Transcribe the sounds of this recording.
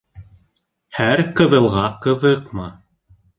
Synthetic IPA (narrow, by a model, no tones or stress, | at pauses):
hæɾqɤ̆ðɤ̆lˠʁɑqɤ̆ðɤqmɤ